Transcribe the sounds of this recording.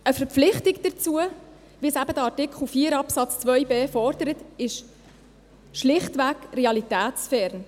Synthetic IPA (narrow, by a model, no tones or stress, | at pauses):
əfəɾpp͡flɪχtɪkd̥ət͡suə | ʋisæb̥əd̪əɑtɪkχl̩fiːəɾɑpsɑt͡st͡svœʏjbeːfɔɾd̥əɾət̪ɪʃ | ʃlɪχtʋæɡrɛɑlitæːtsfɛɾn